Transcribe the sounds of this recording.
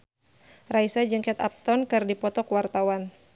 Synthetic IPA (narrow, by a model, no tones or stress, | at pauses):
raisad͡ʒɨŋkɛt̪a̰p̚t̪ɔnkɨrdipɔt̪ɔkwart̪awan